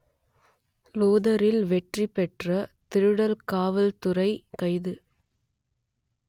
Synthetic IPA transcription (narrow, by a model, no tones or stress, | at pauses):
loːðɐɾɪlʋɛʈripɛʈrɐt̪ɪɾɯɽɐlkaːʋɐlt̪ʊrɐɪkɐɪðɯ